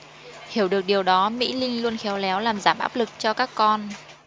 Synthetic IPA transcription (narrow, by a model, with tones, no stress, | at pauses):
hi˧˩əwɗɨ˨˩ək̚ɗi˨˩əwɗɔ˨˦mḭ˧˥lï˧ŋlu˧ənxɛ˨˦wlɛ˨˦wlaː˨˩mzaː˧˩mʔaː˦˥p̚lɨ˨˩k̚t͡ɕɔ˧kaː˦˥kːɔ˧n